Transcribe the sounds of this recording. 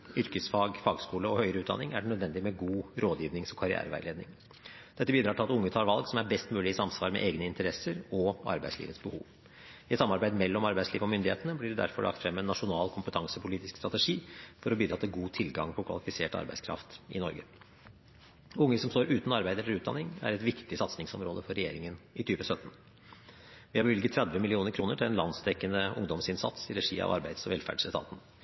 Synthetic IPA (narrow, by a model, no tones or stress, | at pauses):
ʏɾkəsfɑːɡfɑːɡskuːləɔhœʏɾəʉːt̪d̪ɑ̰nɪŋæɖɛnœd̪ʋɛnd̪ɪmɛɡuːɾoːd̪jiːʋnɪŋsɔmkʰɑɾɪæ̰ːɾəʋæ̰ɪleːd̪nɪ̰ŋ | d̪̥ɛt̪ːəbiːd̪ɾɑːʈɪlɑt̪ʊŋːət̪ʰɑːɾʋɑlɡsɔmæɾbɛst̪mʉːlɪɪsɑmsʋɑːɾmɛ̰ʔeːɡnəɪnt̪əɾɛsəɾɔɑ̰ɾbæ̰ɪslḭʋət̪sbəhṵːʋ | ɪɛt̪sɑmːɑɾbæɪd̪mɛlːɔmɑɾbæɪsliːʋəɔmʏnd̪ɪheːt̪ənəblɪɖɛd̪æ̰ɾfɔɭʔɑ̰kt̪fɾɛmːɛnːɑʂʊnɑːlkʰʊmpət̪ʰɑŋsəpʰʊliːt̪ɪskst̪ɾɑt̪ɛʂiːfɔɾɔbʏːd̪ɾɑt̪ːəɡuːt̪ʰɪlɡɑ̰ŋpʰɔkʰʋɑ̰lɪfɪseːʈɑ̰ɾbæɪskʰɾɑ̰ft̪ʔɪ̰nɔɾɡə̰ | ʊŋːəsɔmst̪oːɾʉːt̪n̩ɑɾbæɪd̪ələɾʉːt̪̚d̪ɑ̰nɪŋæ̰ɾɛt̪ʋɪkt̪ɪsɑt̪snɪŋsɔmɾoːd̪əfɔɾɛjḛːɾɪŋənɪt̪ʰyːʋəsœt̪n̩ | ʋɪhɑɾbəʋʏlɡət̪ʰːɾɛd̪ʋəmɪlɪuːnəɾkʰɾuːnəʈʰɪlɛnlɑnsd̪ɛkːənəʊŋd̪ɔmsɪnsɑ̰t̪sɪɾɛʂḭːɑ̰ʋɑ̰ɾbæɪd̪sɔʋɛlfæ̰ɖʂɛt̪ʰɑ̰ːt̪n̩